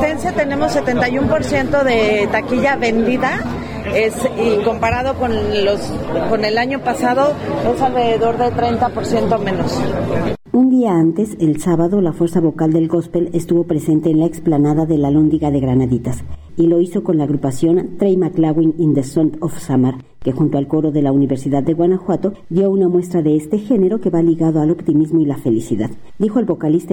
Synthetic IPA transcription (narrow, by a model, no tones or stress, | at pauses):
t̪ensjat̪e̞nẽ̞mosːe̞t̪e̞nt̪ajumpo̞ɾsje̞nt̪oðe̞t̪akiʝaβe̞nd̪iða | esiko̞mpaɾaðo̞konlos | kone̞laɲo̞pasaðo̞esalre̞ðeðo̞ɾðe̞t̪ɾejnt̪apoɾsje̞nt̪o̞mẽ̞no̞s | und̪iaant̪e̞se̞lsaβaðo̞lafweɾsaβo̞kald̪e̞lɡo̞spe̞lest̪uβo̞pɾe̞se̞nt̪e̞ːnlaeksplanaðaðe̞lalond̪iɣaðe̞ɣɾanaðit̪as | ilo̞iso̞ko̞nlaːɣɾupasjo̞nt̪ɾejmaklaɣwinind̪esont̪ofsamaɾ | ke̞xunt̪oalko̞ɾo̞ðe̞launiβe̞ɾsiðaðːe̞ɣwanaxwat̪o̞djo̞unamwe̞st̪ɾaðe̞est̪e̞xe̞ne̞ɾo̞ke̞βaliɣaðo̞alo̞pt̪imizmoilafe̞lisiðað̥ | d̪ixo̞elβo̞kalist̪a